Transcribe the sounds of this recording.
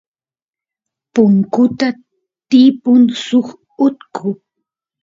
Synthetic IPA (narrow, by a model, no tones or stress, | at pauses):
pʊŋkʊt̪a | t̪ɪpʊnsʊχ | ʊt̪kʰʊ